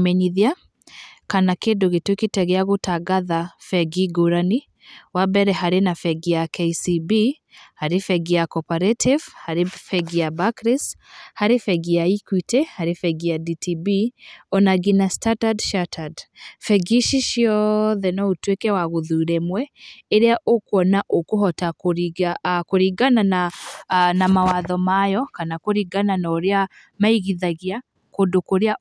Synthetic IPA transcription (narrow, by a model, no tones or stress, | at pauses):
mɛɲiðia | kanakedoɣetuekitɛɣɛaɣutaɡaðafɛɡiɡoɾani | wabɛɾɛɦaɾenafɛɡiakejsibi | haɾifɛɡiakɔpaɾetʰivhaɾefɛɡiabakɾishaɾefɛɡiaikwitɛhaɾefɛɡiaditʰibiɔnaɡinastatadʃatʰadfɛɡiʃiʃiɔðɛnɔotwekɛwaɣoðuɾɛmwɛeɾeaʔokoɔnaʔokohɔtakoɾiakoɾiɡanana | namawaðɔmajɔkanakoɾiɡananɔoɾea | maiɣiðaɣia | kodokoɾea